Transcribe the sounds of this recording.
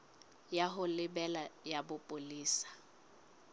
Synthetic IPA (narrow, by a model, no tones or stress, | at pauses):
jaɦʊlɪbɛlajabʊpʼʊliːsḁ